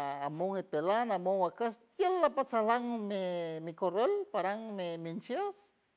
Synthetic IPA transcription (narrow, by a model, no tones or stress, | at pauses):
amoŋipelanamoŋakast̪jelːapat͡salaŋmimikorelpaɾaŋmimint͡ʃjas